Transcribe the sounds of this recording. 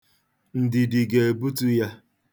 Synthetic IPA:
n̩˨dɪ˨di˨ɡe˨e˨bu˦tu˦ja˦

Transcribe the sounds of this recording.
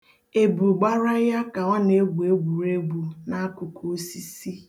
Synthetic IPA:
e˨bu˨ɡ͡ba˦ɾa˦ja˦ka˨ɔ˦ne˦ɡʷu˨e˦ɡʷu˨ɾe˦ɡʷu˨na˦kʊ˨ko˦o˦si˦si˦

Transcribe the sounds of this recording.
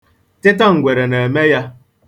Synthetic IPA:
tɪ˦ta˦ŋ̩˨ɡʷe˨ɾe˨ne˨e˨me˦ja˦

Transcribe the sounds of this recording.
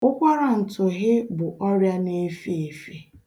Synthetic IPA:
ʊ˦kʷa˦ɾa˨n̩˨tʊ˨ɣɪ˦bʊ˨ʔɔ˦ɾja˦ne˦fi˦e˨fi˦

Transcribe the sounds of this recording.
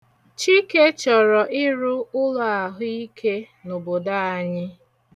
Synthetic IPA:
t͡ʃi˦ke˦t͡ʃɔ˨ɾɔ˨ʔɪ˦ɾʊ˦ʊ˦lʊ˦a˨ɦʊ˦i˦kʰe˦ | no˨bo˨da˦a˨ɲɪ˦

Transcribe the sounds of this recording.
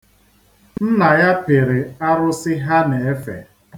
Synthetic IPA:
nn̩˦na˨ja˦pe˨ɾɪ˨a˦ɾʊ˦sɪ˦ɦa˦ne˨e˦fḛ˨

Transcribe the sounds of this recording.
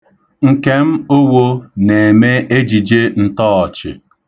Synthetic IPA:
ŋ̩˨ke˦m̩˦o˦wo˦ne˨e˨me˦ʔe˦d͡ʒi˨d͡ʒe˦n̩˦tɔː˦ɔ˨t͡ʃɪ̰˨

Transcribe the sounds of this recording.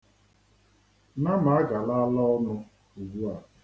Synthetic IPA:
na˦ma˨a˦ɡa˨la˦lɔ˦ɔ˦nʊ˦ | u˨ɡu˦a˨

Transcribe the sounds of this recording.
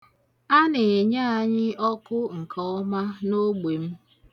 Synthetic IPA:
a˦ne˨e˨ɲa˦a˨ɲɪ˦ɔ˦kʊ˦ŋ̩˨kʰɔ˦ɔ˦ma˦no˦ɡ͡be˨m̩˦

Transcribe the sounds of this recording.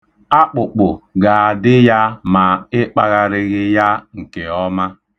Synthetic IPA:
a˦k͡pʊ˨k͡pʊ˨ɡa˨a˨dɪ˦ja˦ma˨ɪ˦k͡pa˦ɣa˨ɾɪ˦ɣɪ˦ja˦ŋ̩˨ke˨ɔ˦ma˦

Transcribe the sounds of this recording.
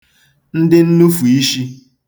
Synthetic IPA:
n̩˦dɪ˦n̩˦nu˦fu˨i˦ʃi˦

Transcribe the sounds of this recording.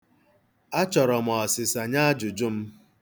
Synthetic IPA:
a˦t͡ʃɔ˨ɾɔ˨m˨ɔ˨sɪ˨sa˨ɲa˦d͡ʒʊ˨d͡ʒʊ˦m̩˦

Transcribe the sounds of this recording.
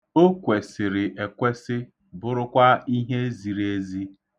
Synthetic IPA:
o˦kʷe˨sɪ˨ɾɪ˨ʔe˨kʷe˦sɪ˦ | bʊ˦ɾʊ˦kʷa˦i˦ɦe˦zi˨ɾe˦zi˦

